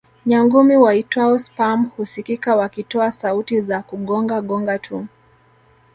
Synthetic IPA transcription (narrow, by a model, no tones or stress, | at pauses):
ɲaŋɡumiwaitaɔspamhusikikawakitɔasautizakuɠɔŋɡaɠɔŋɡatʰum